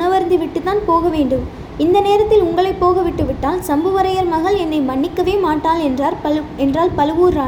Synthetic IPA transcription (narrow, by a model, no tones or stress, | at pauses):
nɐʋɐɾnd̪ɯʋɪʈːɯt̪ːaːnpoːɣɐʋeːɳɖɯm | ɪnd̪ɐneːɾɐt̪ːɪlʊŋɡɐɭɐɪpːoːɣɐʋɪʈːɯʋɪʈːaːlsɐmbɐʋɐɾɐjɐɾmɐɣɐlɛnːɐɪmɐɳːɪkːɐʋeːmaːʈːaːlɛnraːɾɛndraːlpɐlɯʋuːɾraː